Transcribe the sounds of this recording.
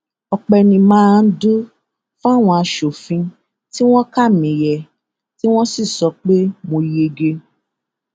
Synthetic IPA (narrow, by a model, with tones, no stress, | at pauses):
ɔ˧k͡pɛ˧nĩ˧mãː˦˧n̩˦du˦ | fa˦˨w̃ɔ̃˧a˧ʃo˨fĩ˧ | ti˦w̃ɔ̃˦ka˦˨mĩ˨jɛ˨ | ti˦w̃ɔ̃˦si˦˨sɔ˧˦k͡pe˦mõ˧i˨je˧ɡe˧